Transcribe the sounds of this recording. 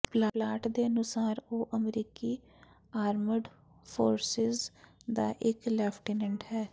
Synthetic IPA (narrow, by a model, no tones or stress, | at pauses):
plalaːʈd̪eːənʊsaːɾoːʔəmɾiːkiː | aːɾməɖ | pʰoːɾsɪzd̪aːʔɪklɛːpʰʈiːnɛɳʈɦɛː